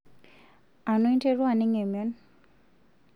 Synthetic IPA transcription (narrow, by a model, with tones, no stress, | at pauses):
a˨nwe˦nte˦ɾwa˦˨ne˦ŋe˨m˨o˦n